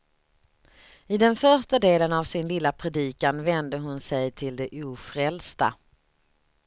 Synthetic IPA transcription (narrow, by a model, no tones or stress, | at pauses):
ɪd̪ɛnfœɾʂʈad̪eːlənavsɪnlɪlːapʰɾɛd̪iːkanvɛnd̪əɦʊnsɛjt̪ʰɪld̪ɛʔuːfɾɛlst̪a̰